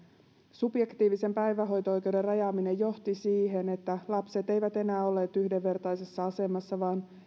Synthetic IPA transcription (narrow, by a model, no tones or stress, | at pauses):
subje̞kt̪iːʋise̞mpæjʋæɦo̞jt̪oo̞jk̟e̞wde̞rɑjɑːmine̞jo̞ht̪isiːɦe̞ne̞t̪ːælɑpse̞t̪e̞jʋæt̪e̞næːo̞leːt̪yhde̞ʋːe̞rt̪ɑjse̞sːɑɑse̞mɑsːɑʋɑːn